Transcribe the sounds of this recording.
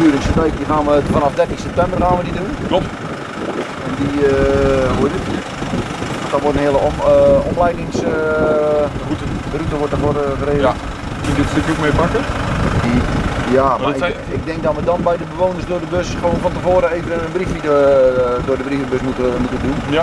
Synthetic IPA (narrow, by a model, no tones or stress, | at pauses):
yələksətɛjkdixaːnʋəfanafdɛrtiŋsɛp̚tɛmbərxaːnʋədiduno | ɛndiəɦuədɪt | dɔtʋɔtənhiəlˠəɔmlɛjdɪŋs | rutəʋɔtəvorɣəreː | kənɪtstøkjokmepakədijama | ɪɡ̚dɪŋk̚dɔtʋədɔnbɛjdəbəʋoːwnərsdʊːdəbøsχəʋoːnfɔntəvoːɾəeːvənənənbrifmit | dʊːdəbrifəbøsmutəmutədun